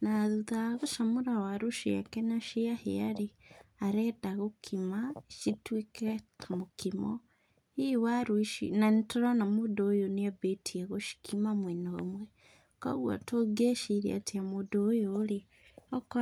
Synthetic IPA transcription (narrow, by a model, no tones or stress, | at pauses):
naðuðaɣoʃamuɾawaɾuʃia̰kenaʃiahḭa̰ɾiaɾedaɣokʰimaʃitwikeamukʰimo | iwaɾuʃḭnanitoɾanamudojoniabetʰiaɣoʃi̥kʰimamwenomwe | ka̰ɣwa̰toɡeʃiɾḭa̰tiamudojoːli | oko